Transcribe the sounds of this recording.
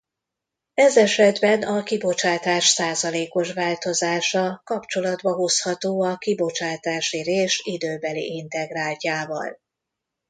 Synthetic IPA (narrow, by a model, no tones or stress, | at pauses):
ɛzɛʃɛd̪bɛnɒkibo̞t͡ʃaːt̪aːʃsaːzɒleːko̞ʃʋaːlt̪o̞zaːʃɒkɒpt͡ʃo̞lɒd̪bɒɦo̞shɒt̪oːɒkibo̞t͡ʃaːt̪aːʃireːʃid̪øːbɛlḭʔint̪ɛɡraːlcaːvɒ̰l